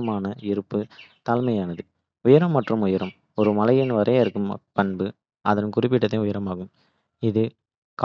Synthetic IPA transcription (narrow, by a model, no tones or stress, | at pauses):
ɐmaːnɐɪɾɯpːɯt̪ɐlmɐjaːnɐðɯ | ʊjɐɾɐmːɐʈrɯmʊjɐɾɐm | ɔɾɯmɐlɐjɪnʋɐɾɐɪɾɯkːɯmpɐɳbɯ | ɐðɐnkʊɾɪp̬ːɪʈːɐt̪ːẽʊjɐɾɐmaːɣɯm | ɪðɯ | k